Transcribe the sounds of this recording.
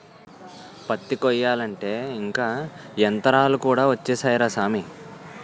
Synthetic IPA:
pɐt̪ːikɔjːaːlɐɳʈe̞ːiŋkaːɛnt̪ɐɾaːlukuːɽaːʋɐt͡ʃːeːsaːjɾaːsaːmi

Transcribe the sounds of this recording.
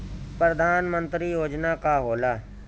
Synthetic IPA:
pɾəd̪ʱaːnmə̃nt̪ɾiːjoːd͡ʒnaːkaːɦoːlaː

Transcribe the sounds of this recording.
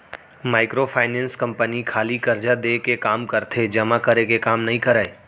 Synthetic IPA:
maːɪkɾopʰaːɪnɛ̃ːnskɐ̃mpənikʰaːlikɐɾd͡ʒad̪eːkekaːmkɐɾt̪ʰed͡ʒɐmakəɾekekaːmnɐɦĩkɐɾəe

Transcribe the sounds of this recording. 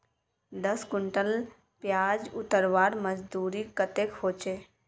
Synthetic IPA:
d̪əskʊɳʈəl | pjaːd͡ʒʊt̪əɾʋaːɾməzd̪uːɾikət̪ekhoːt͡ʃeː

